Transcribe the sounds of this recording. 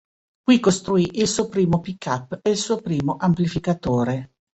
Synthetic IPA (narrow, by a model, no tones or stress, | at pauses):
kwikost̪ɾuiʔilsuːopɾiːmopikːapːeilsuːopɾiːmoʔamplifikat̪oːɾe